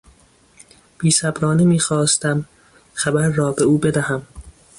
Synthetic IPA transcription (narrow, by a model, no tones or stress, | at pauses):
b̥iːsæbɾɒːnimiːxɒːst̪æm | xæbæɾːɒːbeuːbe̞d̪æhæm